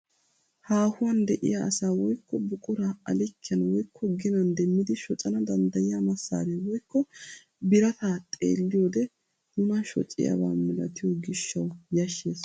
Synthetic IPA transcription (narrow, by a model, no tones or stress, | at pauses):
haːhʊwɐnd̪ɛʔɪ̰jaɐsaːwɔjkːɔbʊkʼʊɾaɐlɪkːɪjɐnwɔjkʰːɔɡɪnɐnd̪ɛmːɪd̪ɪʃɔt͡sʼɐnɐd̪ɐnd̪ɐjɪjamɐsːa̰ːd̪ɛwɔjkːɔ | bɪɾɐt̪aːt̪ʼḛːlːɪjoːd̪ɛ | nʊnɐʃɔ̰t͡sʼːɪ̰jɐ̰ba̰ːmɛlɐt̪ɪjoɡɪʃːɐwjɐʃːeːs